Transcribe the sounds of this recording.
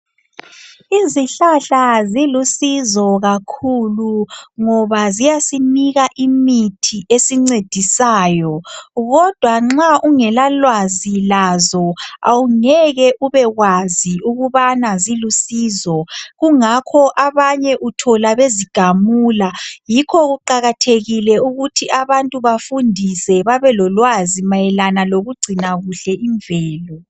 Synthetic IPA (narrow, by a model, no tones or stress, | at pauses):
iziɬaɬazilusizɔɣakʰuluŋɔβazijasiniɣaʔimitʰiʔesiŋ͡ǀed̥ʱisaːjɔɣɔd̥ʱwaŋ͡ǁaʔuŋɛlalwazilazɔa̰wuŋɛɣɛʔuβɛɣwaziuɣuβanazilusiːzɔɣuŋakʰɔʔaβaɲɛʔutʰɔlaβeziɡ̥ʱamuːlajikʰɔɣuǃaɣatʰeɣilɛuɣutʰiʔaβantʼuβafundʱisɛβaβɛlɔlwazimajɛlanaloɣuɡ͡ǀʱinaɣuɬɛʔiɱvɛːlɔ